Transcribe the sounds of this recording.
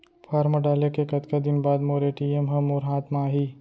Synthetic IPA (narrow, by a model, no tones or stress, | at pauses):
pʰaːɾmaɖaːlekekɐt̪kad̪ɪnbaːd̪moːɾeʈiːemɦɐ̃moːɾɦãːt̪maːɦiː